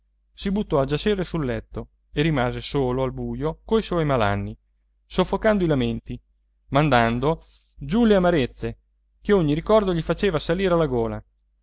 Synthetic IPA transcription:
sibut̪ːɔad͡ʒat͡ʃeresulːɛt̪ːo | erimaːzesoːloalbuːjokoiswɔjmala̰nːi | sofːokand̪oilament̪i | mand̪and̪o | d͡ʒuleamaɾet̪sːe | keoɲːiɾikɔrd̪oʎifat͡ʃeːvasaliːɾealːaɡoːla̰

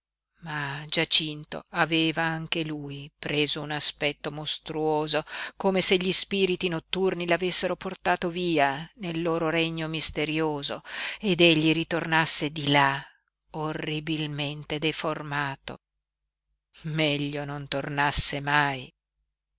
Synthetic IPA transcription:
mad͡ʒat͡ʃint̪o̰aveːvaaŋk̟elujpɾeːzounaspɛt̪ːomost̪ɾuoːzokoːmeseʎːispiːɾit̪inot̪ːurnilavesːeɾoport̪aːt̪oviːanelːoːɾoɾeɲːomist̪eɾjoːzoed̪eʎːiɾit̪ornasːed̪ila | orːibilment̪ed̪eformaːt̪o̰ | mɛʎːonont̪ornasːemaj

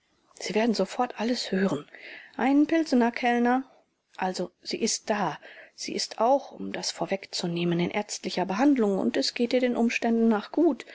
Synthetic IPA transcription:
z̥iːveːɐdn̩zofɔɐtʔaləshøːʁənʔaɪnənpɪlzənɐkʰɛlnɐ | ʔalzoz̥ḭːʔɪst̚d̥aːz̥ḭːʔɪstʰʔaʊxʊ̰mdasfoːɐvɛkt͡suneːmənɪnʔɛ̰ɐstlɪçɐbəɦandlʊŋʊ̰ntɛsɡ̥eːt̚iːɐdeːnʔʊmʃtɛndn̩ːaːχɡ̥uːt

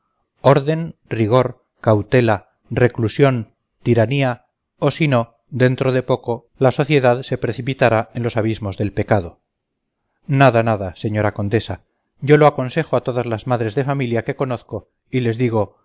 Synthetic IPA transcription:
o̞ɾðe̞nriɣ̞o̞ɾ | kawt̪e̞la | re̞klusjo̞n | t̪iɾania | osino̞ | d̪e̞nt̪ɾoðe̞po̞ko̞ | laso̞θje̞ðaðse̞pɾe̞θipit̪aɾae̞nlo̞saβizmo̞zðe̞lpe̞kaðo̞ | naðanaðase̞ɲo̞ɾako̞nd̪e̞sa | ɟ͡ʝo̞loako̞nse̞xoat̪o̞ðazlazmaðɾe̞zðe̞familjake̞ko̞noθko̞ | ile̞zðiɣ̞o̞

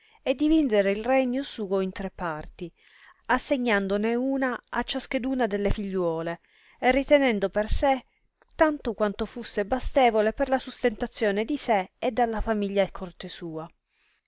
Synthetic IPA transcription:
ed̪ːivind̪eɾeilrɛɲːosuːoint̪ɾepːart̪i | asːeɲːand̪oneuːnaat͡ʃːask̟ed̪uːnad̪elːefiʎːwɔːle | erːit̪enɛnd̪operse | t̪ːant̪okwant̪ofusːebast̪eːvoleperlasust̪ent̪at̪sːjoːned̪iseːd̪ːalːafamiʎːaekʰort̪esuːa

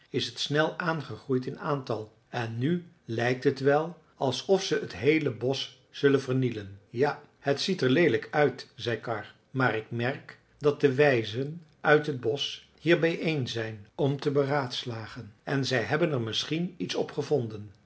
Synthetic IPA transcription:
ɪsɦətsnɛlˠaːnχəχrujtɪnaːntɑlˠ | ɛnːy | lɛjk̚tɦətʋɛlˠ | ɑlˠsɔfsəətɦejləbɔs | z̥ɵlənvəɹnilənja | hətsitəɹlejdələkœɥtzɛjkɑɹ | maːɹɪkmɛɹk | dɑt̚dəʋɛjzən | ʔœɥtɦəd̚bɔs | hiːɹbɛjʔejnzɛjnɔmtəbəraːtslaːχənɛnzɛjɦɛbənɛɹmɪsχinitsɔpχəvɔndən

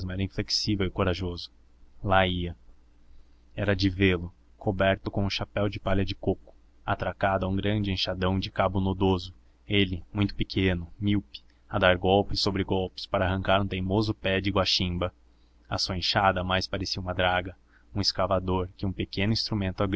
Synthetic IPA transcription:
zmʊɛɾɐĩfleki̥sivewɪkoɾaʒozʊ | laiɐ | ɛɾɐd͡ʒɪvelʊ | kʰobɛɾt̪ʊkõʊ̃ʃapɛwd͡ʒɪpaʎɐd͡ʒɪkokʊ̥ | a̰t̪ɾakad̪ʊɐũɡɾɐ̃nd͡ʒɪẽʃad̪ɐ̃w̃d͡ʒɪkabʊnod̪ozʊ | elɪmũj̃t̪ʊpɪkʰẽnʊmiwpɪ̥ | ɐd̪aɾɡɔwpɪsobɾɪɡɔwpɪ̥spaɾɐaɦɐ̃kaɾũt̪ẽj̃mozʊpɛd͡ʒɪɡwaʃĩbɐ | ɐsuɐẽʃad̪ɐmajspaɾesiɐumɐd̪ɾaɡɐ | ũɪskavad̪oɾkɪũpekẽnʊĩst̪ɾumẽnt̪ʊaɡɾ

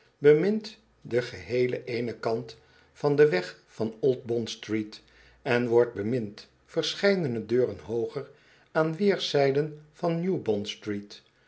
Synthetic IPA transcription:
bəmɪnt | dəχəɦejlə̰ʔejnəkɑnt | fɑndəʋɛχfɑnɔlˠt̚bɔnstrit | ɛnʋɔɹd̚bəmɪnt | fəɹsχɛjdənədøːrənɦowχəɹ | aːnʋɪːɹsɛjdənv̥ɑnːjubɔnstrit

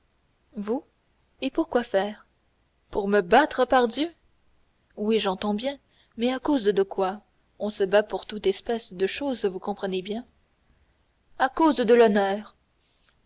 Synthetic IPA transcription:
vu | epuʁkwafɛːʁ | puʁməbat̪χəpaʁd̪jø | wiʒɑ̃t̪ɑ̃bjɛ̃ | mɛakozd̪əkwa | ɔ̃səbapuʁt̪ut̪ɛspɛsd̪əʃozvukɔ̃pχənebjɛ̃ | akozd̪əlɔnœːʁ

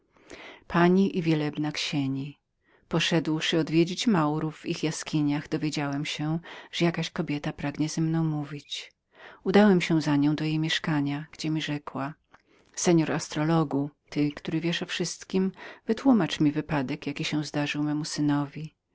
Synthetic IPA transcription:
pʰaɲiʔivʲjɛlɛbnakɕeɲi | pɔʂɛd̪wʂɘɔd̪vʲjed͡ʑit͡ɕmawɾuvːixjaskʲiɲaɣd̪ɔvʲjed͡ʑawɛmɕɛʐ̥ɛjakaɕkɔbʲjɛt̪apɾaɡɲɛzɛmnɔ̃w̃muvʲit͡ɕ | ud̪awɛmɕɛw̃zaɲɔ̃w̃d̪ɔjejmʲjɛʂkaɲaɡ̥d͡ʑɛmʲiʐɛkwa | sɛɲɔɾast̪ɾɔlɔɡut̪ɘkt̪uɾɘvʲjɛʂɔfʂɘst̪kʲimvɘt̪wumat͡ʂmʲivɘpad̪ɛkjakʲiɕɛ̃w̃zd̪aʐɘwmɛmusɘnɔvʲi

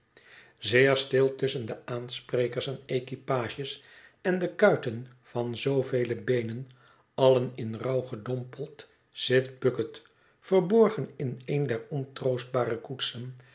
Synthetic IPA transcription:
zɪːɹstɪlˠtʏsəndəaːnsprejkəɹsɛnejkipaːʒəsɛndəkœɥtən | vɑnzowvejləbejnən | ɑlənɪnrɑwχədɔmpəlˠt | sɪtbɵkət | fəɹbɔɹχənɪnejndɛɹɔntrowsd̚baːrəkutsən

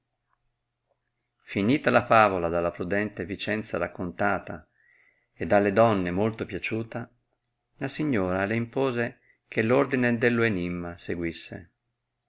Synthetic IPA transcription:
finiːt̪alafaːvolad̪alːapɾud̪ɛnt̪evit͡ʃɛnt̪saɾakːont̪aːt̪a̰ | ed̪ːalːed̪ɔnːemolt̪opjat͡ʃuːt̪a | lasiɲːoːɾaleimpoːze | kʰelːord̪ined̪elːoenimːaseɡwisːḛ

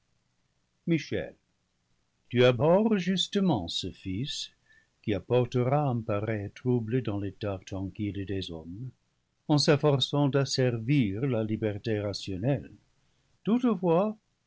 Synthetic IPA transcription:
miʃɛ̰l | tyabɔʁʒystəmɑ̃səfis | kiapɔʁtəʁaɛ̃paʁɛtʁubled̪ɑ̃let̪at̪ʁɑ̃kild̪ezɔm | ɑ̃sɛfɔʁsɑ̃d̪asɛʁviʁlalibɛʁteʁasjonɛl | tutfwa

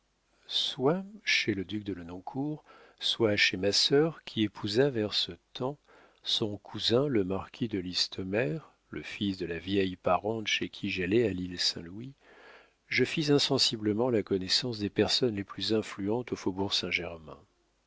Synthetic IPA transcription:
swaʃeləd̪yk̚d̪ələnɔ̃kʰuʁ | swaʃemasœʁkʲʰiepʰuzavɛʁsət̪ɑ̃ | sɔ̃kʰuzɛ̃ləmaʁkʲʰid̪əlist̪ʰɔmɛʁ | lə̰fisd̪əlavjɛjpaʁɑ̃t̪ʃekʲʰiʒalɛalilsɛ̃lwi | ʒəfizɛ̃sɑ̃sibləmɑ̃lakɔnɛsɑ̃sd̪epɛʁsɔnleplyzɛ̃flyɑ̃t̪ofobuʁsɛ̃ʒɛʁmɛ̰̃

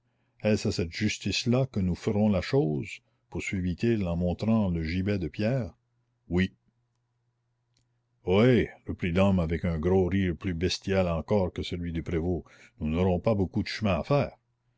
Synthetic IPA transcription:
ɛsasɛt̪ʒ̥yst̪islakənufəʁɔ̃laʃoːz | puʁsɥivit̪ʰilɑ̃mɔ̃t̪ɾɑ̃ləʒibɛd̪əpjɛːʁ | wi | oerəpɾilɔmavɛkɛ̃ɡɾoɾiːʁplybɛst̪jalɑ̃kɔːʁkəsəlɥid̪ypɾevo | nunɔɾɔ̃pabokud̪əʃəmɛ̃afɛːʁ

